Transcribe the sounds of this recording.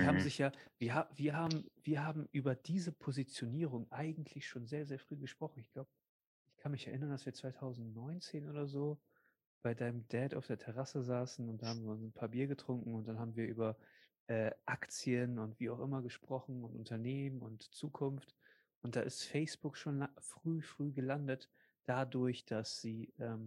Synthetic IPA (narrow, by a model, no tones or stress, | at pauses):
vihaːbm̩zɪçjaːviːɐɦaːviːɐɦaːbm̩viːɐɦaːbm̩ʔyːbɐdiːzəpʰozit͡sjoniːʁʊŋʔaɪɡŋ̩tʰlɪçʃoːnzeːɐzeːɐfʁ̥yːɡəʃpʁ̥ɔχn̩ɪçɡ̥laʊbə | ʔɪçkʰanmɪçɛɐʔɪnɐndasv̥iːɐt͡sv̥aɪtʰaʊzn̩tnɔʏnt͡seːnʔoːdɐzoː | b̥aɪdaɪnəmdɛːta̰ʊfd̥eːɐtʰɛʁasəzaːsn̩ʊnt̚d̥anhaːm̩viːɐʊnsnpʰaːɐbiːɐɡətʁ̥ʊŋkŋ̩ʊnt̚d̥anɦaːbm̩viːɐʔyːbɐ | ʔɛːʔakt͡siənʊntv̥iːaʊxʔɪmɐɡəʃpʁ̥ɔχn̩ʊntʔʊntɐneːmənʊntt͡suːkʰʊnft | ʔʊntd̥a̰ːʔɪstfɛɪsb̥ʊkʃoːnafʁ̥yːfʁ̥yːɡəlandət | d̥adʊɐçd̥asz̥iːʔɛːm